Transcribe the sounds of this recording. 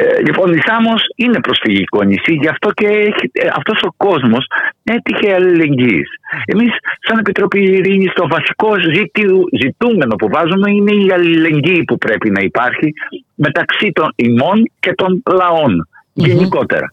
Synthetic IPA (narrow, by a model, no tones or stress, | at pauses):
ʎipo̞nisɐmosine̞pɾo̞sfiʝiko̞nisiʝɐft̪o̞ceiɐ̰ft̪o̞so̞ko̞zmo̞se̞t̪içe̞ɐlile̞ɲɟise̞misːɐne̞pit̪ɾo̞piːɾiɲist̪o̞vɐsi̥ko̞zit̪izit̪ume̞no̞puvɐzume̞ine̞iɐlile̞ɲɟiːpupɾe̞pinɐipɐɾçime̞t̪ɐksit̪o̞nimo̞nce̞t̪o̞nlɐo̞n | ʝe̞niko̞t̪e̞̰ɾɐ̰